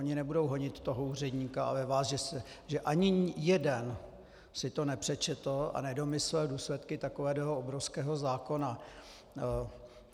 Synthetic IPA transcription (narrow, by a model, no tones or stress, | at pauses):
oɲɪnɛbudo̞wɦoɲɪt̪ːoɦouːr̝ɛdɲiːkaa̰vɛvaːsʒɛsɛʒɛʔaɲɪjɛdɛn | sɪt̪o̞nɛpr̝̥ɛt͡ʃɛt̪l̩a̰nɛdo̞mɪslɛːlduːslɛt̪kɪt̪akovɛːd̪ɛɦoobɾofskɛːɦozaːko̞na